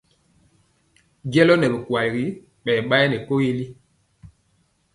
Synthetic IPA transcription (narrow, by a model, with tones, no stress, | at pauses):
d͡ʒɛ˦lɔ˦nɛ˨be˨kwa˨lɣi˨˦ | ɓɛ˨ɓa˦jɛ˦nɛ˨ko˦je˦li˦